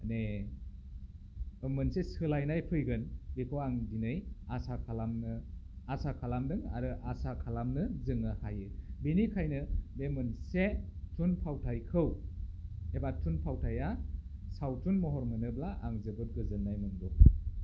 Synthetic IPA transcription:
ne | ɯmɯnsesɯlajnajpʰɯjɡɯnbikʰowaŋdinɯjasakʰalamnɯasakʰalamdɯŋa̰ɾɯʔasakʰalamnɯzɯŋɯhajɯbinikʰajnɯbemɯnsetʰunpʰawtʰajkʰɯw | ebatʰunpʰawtʰajasawtʰunmɔɦɔɾmɯnɯblaʔaŋzɯbɯt̚ɡɯzɯnːajmɯnbɔ

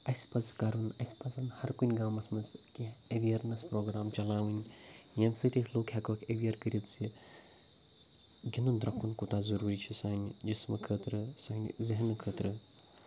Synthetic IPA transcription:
ɐsʲpɐt͡skɐɾunɐsʲpɐt͡sɐnhɐɾkunʲɡaːmɐsmɐskiɐʋijɐɾnɐspɾoːɡɾaːmt͡ʃɐlaːʋɨnʲjɐmʲsɨt̪ʲisʲloːkʰʲhʲɐkoːkʲɐʋijɐɾkəɾʲit͡s̪si | ɡʲinund̪ɾɐkʰunkut̪aːzɐɾuːɾit͡ʃʰisaːnʲd͡ʒismɨkʰəːt̪ɾɨsaːnʲiziɦinɨkʰəːt̪ɾɨ

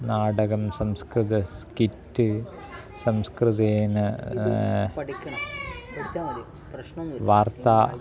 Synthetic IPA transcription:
naːɽɐɣɐmsɐmskrɨd̪ɐskitːɨ | sɐmskrɨd̪eːnɨ | ɐɽikʲːɐɳ | ɐʋaːrt̪aː

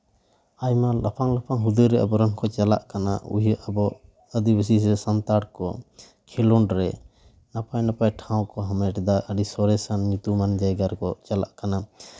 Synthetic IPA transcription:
ajmalapʰaŋlapʰaŋɦud̪ujɾɛəbɔɾəŋkɔt͡ʃala̰ʔkana̰ṵjʔəbɔ | əd̪ibəsis̬ɛsant̪aɽkɔ | kʰilɔɳɖɾɛ | napajnapajʈʰaw̃kɔɦamɛʈɛd̪aʔəɖisɔɾɛsanɲut̪umand͡ʒajɡaɾkɔt͡ʃala̰ʔkana

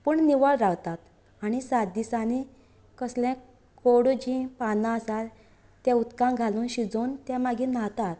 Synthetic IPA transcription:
pəːɳniʋaɽɾaʋt̪at̪ | aɽ̃isad̪isani | kəsljɛ̃ | koɽud͡ʑĩpanãəsal | t̪ːjãut̪kãŋɡʱalũːnɕid͡zont̪jamaɡʱĩnat̪at̪

